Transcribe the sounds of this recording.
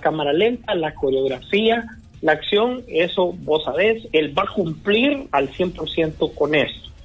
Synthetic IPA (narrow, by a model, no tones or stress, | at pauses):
kamaɾale̞nt̪alako̞ɾeo̞ɣɾafia | laːksjo̞ŋe̞so̞bo̞saβe̞se̞lbakumpliɾalsje̞mpo̞ɾsje̞nt̪o̞ko̞ne̞st̪o̥